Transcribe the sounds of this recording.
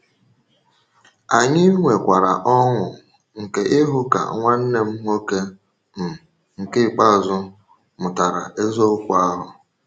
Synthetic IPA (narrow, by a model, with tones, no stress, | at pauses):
a˨ɲɪ˦ŋʷe˨kʷa˨ɾa̰˨ʔɔ˦ŋʷʊ˨ | ŋ̩˨ke˨ʔɪ˦ɦʊ˦ka̰˨ŋʷa˦n̩˦ne˨m̩˦ŋo˦ke˦ | m̩˨ | ŋ̩˨kɪ˦˨k͡pa˦˨zʊ˦ | mʊ˨ta˨ɾa̰˨ʔe˦zo˦kʷʊ˦a˦ɦʊ˨